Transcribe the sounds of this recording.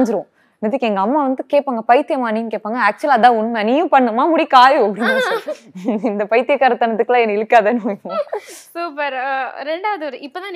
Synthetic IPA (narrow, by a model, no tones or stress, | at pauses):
ɲd͡ʒɪɾɯõ | nɪðɪkːɛŋɡɐɐmːaːʋɐnd̪ɯkeːʈpːaːŋɡɐpɐjt̪ːɪjɐmaːnĩːkeːpːaːŋɡɐæːk̚t͡ʃʊɐlɐðãːʊnːmɐniːjʊ̃pɐɳːɯmaːmʊɽikaːjuɐpːɐɽinːaːsaɾɪnd̪ɐpɐjt̪ːɪjɐkːaːɾɐt̪ɐnɐt̪ːɯkːɯlãːɛnːɐɪɽɯkːaːðɐnɯõsuːpɐɾɾɛɳɖaːʋɐðɯʋɐɾɯɪpːoːt̪ãːn